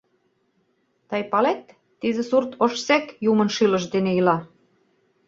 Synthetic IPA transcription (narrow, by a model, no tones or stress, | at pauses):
t̪ɑjpɑlet̪ː | izĕsurt̪oʃsekjumə̆nʃilə̆ʃd̪eneilɑ